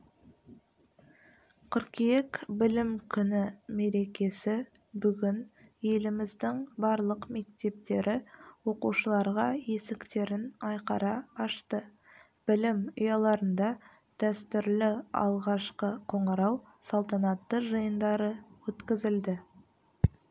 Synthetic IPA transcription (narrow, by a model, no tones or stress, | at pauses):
qʰʏɾkʲijekbɪlɪmkʲʰʏnɪme̞ɾe̞kʲe̞sɪ | bʏɡʲɪnje̞lɪmɪzd̪ɪŋbɑɾlˠəqme̞kt̪e̞p̚t̪e̞ɾʔɪwo̞quʃəlˠɑɾʁɑje̞sɪkt̪e̞ɾɪnɑjqɑɾɑɑʃt̪ə | b̥ɪlɪmʊjɑlˠɑɾənd̪ɑ | d̪̥æst̪ʏɾlɪɑ̰lˠʁɑʃqəqʰo̞ɴəɾɑw | sɑlˠt̪ɑnɑt̪ːəʒəjənd̪ɑɾəwɵt̪kʲɪzɪld̪ɪ